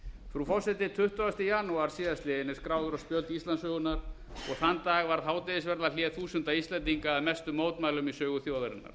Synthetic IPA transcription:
fɾufɔsɛt̪ɪt̪ʰʏht̪ʏast̪ɪjaːnuaɾ̥siːðast̪lɪjɪnːɪ̥skɾaːwðʏɾaspjœlt̪ist̪lansœɣʏnaɾ | ɔɣθanːt̪aːɣvaɾθaːwt̪ɛɪðɪsvɛɾt̪laljɛθuːsʏnt̪aist̪lɛnt̪iŋkaːðmɛst̪ʏmoːwt̪maːjlʏmisœːɣʏθjowðaɾɪ̰nːa̰ɾ̥

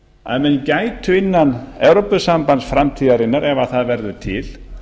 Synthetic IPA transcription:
a̰ðmɛncaːjt̪ʰʏɪnːanɛwɾopʏsampant̪sfɾamt̪ʰiːðaɾinːaɾʔɛvaðθaðvɛɾðʏt̪ʰɪl̥

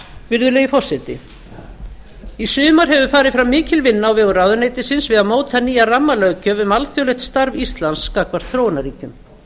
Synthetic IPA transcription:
vɪɾðʏleɣifɔr̥sɛt̪ɪ̰ | isʏːmaɾ̥ɦɛvʏfaːɾɪðfɾamːɪːcɪlvɪnːaːwvɛːɣʏrawðʏneːjt̪ɪsɪnsvɪðaðmoːwt̪θaniːjaramːalœːɣcœvʏmalθjɔwlɛxt̪st̪aɾvist̪lanskakvaɾθɾoːwnaɾiːcʏm

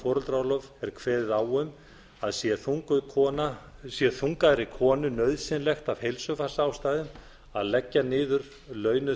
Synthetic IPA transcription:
fɔːɾʏlt̪ɾaːwlɔvɛɾ̥kʰvɛːðɪðawʏm | aðsjɛθuŋkʏkʰɔːnasjɛθuŋkaðɾɪkʰɔːnʏnœɥðsɪnlɛxt̪av̥hejlsʏfasaːwst̪aːjðʏm | aðlɛcːanɪːðʏɾ | lœːɥnʏ

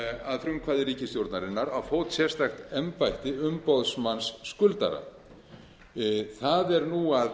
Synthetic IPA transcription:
aðfɾʏmkʰvaːðɪriːcɪst̪jowɾt̪naɾɪnːaɾawfoːwt̪sjɛr̥st̪axt̪ɛmpajht̪ɪʏmpowðsmansːkʏlt̪a̰ɾa̰ | θaðɛɾnuað

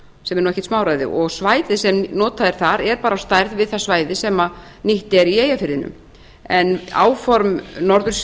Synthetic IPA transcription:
sɛmɛɾnuɛçcɛ̥ht̪smaːwɾajðɪ̰ʔɔɣsvaːjðɪsɛmnɔːt̪aðɪɾ̥θaɾɛɾpaːɾast̪ajɾðvɪðθasvaːjðɪsɛma | niht̪ɛɾieːjafɪɾðɪnʏ̰m | ɛna̰ːwfɔɾmnɔɾðʏɾ

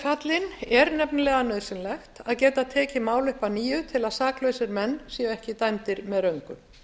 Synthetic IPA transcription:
kʰat̪lɪnɛɾnɛpnlɛːɣanœːðsɪnlɛxt̪aðcɛːt̪at̪ʰɛːcɪmaːwlʏhpaniːjʏt̪ʰɪlaðsaːklœːɥsɪɾmɛnːsiːɛhcɪt̪ajmt̪ɪɾmɛðɾœɥŋkʏ

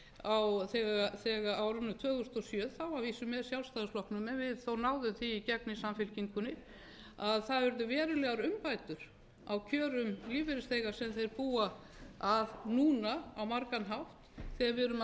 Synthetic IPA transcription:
awθɛːɣaθɛɣaʔawɾʏnːʏt̪ʰœːɣʏst̪ɔsjœːðθawaviːsʏmːɛðsjawlst̪aðʏslɔhknʏmɛnvɪðθownaːwðʏmθiːcɛknɪsamfɪlciŋkʏnɪɾ | aðθaðvɛɾðʏvɛːɾʏlɛɣaɾʏmpaːjt̪ʏɾ̥ | awcʰœːɾʏmliːvɪɾɪst̪ejɣasɛmθejɾpuːaaðnuːnaawmaɾkanɦaft̪θɛɣavɪɾʏm

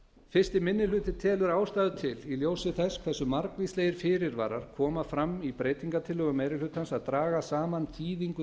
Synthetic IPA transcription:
fɪ̥st̪ɪmɪnːɪlʏːt̪ɪt̪ʰɛːlʏɾaːwst̪aːðʏt̪ʰɪliljoːwsɪθɛskʰvɛsːʏmaɾkvisleːjɪɾ̥fɪːɾɪɾva̰ːɾaɾ̥kʰɔːmafɾamipɾeːjt̪iŋkat̪ʰɪlhœɣʏmejɾɪlʏt̪hansaðt̪ɾaːɣasaːmanθʰiːðiŋkʏ

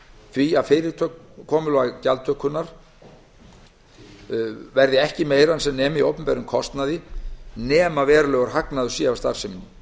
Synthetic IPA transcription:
θviaðfɪːɾɪt̪ʰœkkʰɔːmʏlɔɣacalt̪ʰœhkʏnaɾ̥ | vɛɾðɪɛhcɪmeːjɾansɛmnɛːmɪiowpʏmpɛɾʏmkʰɔst̪naðɪnɛːmavɛːɾalœɣaɾ̥ɦaknaðʏsiavst̪a̰ɾ̥sɪminːɪ

